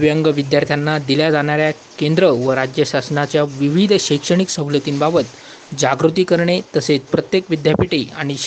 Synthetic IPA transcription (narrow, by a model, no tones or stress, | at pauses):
ʋjəŋɡəʋid̪jaɾt̪ʰjanːad̪iljad͡zaɽ̃aɾja | kend̪ɾəʋəɾad͡ʑjəɕasnat͡ɕjaʋiʋid̪ʱɕejkʂəɽ̃iksə̃ɦlət̪iːnbabət̪ | d͡ʑaɡɾut̪̬iːkəɾɳet̪əset͡spɾət̪jekʋid̪japiʈiaɽ̃i